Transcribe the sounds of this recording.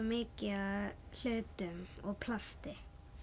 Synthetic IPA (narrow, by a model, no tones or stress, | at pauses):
mɪːcɪaðl̥œːɥt̪ʏmɔɣpʰlast̪ɪ